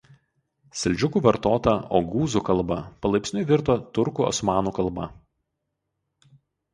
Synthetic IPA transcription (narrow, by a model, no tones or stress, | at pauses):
sʲɛlʲˑd͡ʒʲʊkuːʋɐɾt̪oːt̪ɐoːɡuːzukɐlˠbɐpɐlˠɐɪpʲsʲnʲʊɪʋʲɪɾt̪oːt̪ʊɾkuːɔ̰smɑːnuːkɐlˠbɐ̰